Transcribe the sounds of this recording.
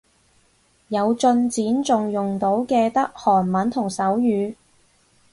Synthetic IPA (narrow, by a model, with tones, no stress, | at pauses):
jɐ˨˧wt͡sɵ˧nt͡siː˨˥nt͡sʊ˨ŋjʊ˨ŋt̪o˨˥wkɛː˧t̪ɐ˥k̚hɔː˨˩nmɐ˨˥nt̪ʰʊ˨˩ŋsɐ˨˥wjyː˨˧